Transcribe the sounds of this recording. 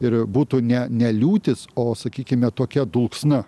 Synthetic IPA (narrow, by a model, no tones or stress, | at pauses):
ɪɾbuːt̪uːnʲɛnʲɛlʲuːt̪ʲɪsoːsɐkʲiːkʲɪmʲɛt̪oːkʲɛd̪ʊlˠksnɐ